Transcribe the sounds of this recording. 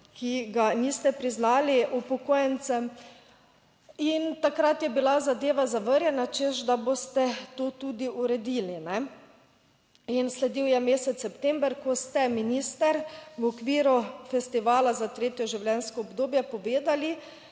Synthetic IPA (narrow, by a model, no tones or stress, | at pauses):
kʰiɡaniːst̪ɛpɾiznaːliupɔkoːjɛnt̪sɛm | int̪akɾat̪jɛbilazad̪eːʋazaʋəɾjɛnat͡ʃeʃd̪abost̪ɛt̪oːt̪ud̪iʔuɾɛd̪iːlinɛ | inslɛd̪iwjɛmeːsɛt̪sːɛpt̪ɛmbɾkɔst̪ɛminiːst̪ɛɾwɔkʋiːɾufɛst̪iʋaːlazat̪ɾeːt̪jɔʒiwlʲjɛnskɔːbd̪oːbjɛpɔʋeːd̪ali